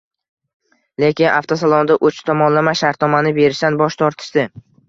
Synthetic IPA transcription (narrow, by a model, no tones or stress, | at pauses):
lekʲɪna̰ft̪ʰosalˠɒnd̪aʔot͡ʃt̪ʰɒmɒnlamaʃaɾt̪̚nɒmanɪbe̞ɾɪʃt̪anbɒʃt̪ʰɒɾt̪ʰɪ̥ʃd̪ɪ